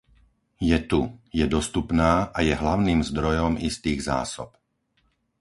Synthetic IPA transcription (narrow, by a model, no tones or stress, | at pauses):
jɛt̪ujɛd̪ɔst̪upnaːʔajɛɦlaʊniːmzd̪ɾɔjɔmist̪iːɣza̰ːsɔ̰p̚